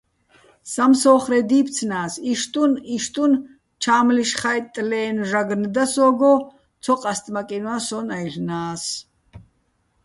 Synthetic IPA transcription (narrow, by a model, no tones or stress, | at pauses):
samsɔːχɾɛd̪iːp̪ʰt͡sʰnaːsiʃt̪ʼuniʃt̪ʼun | t͡ʃʰaːmliʃχajt̪ʼlɛːnʒaɡnd̪asɔːɡɔ | t̪t͡sʰɔqʼast̪ʼmakʼinwasɔnajrnaːs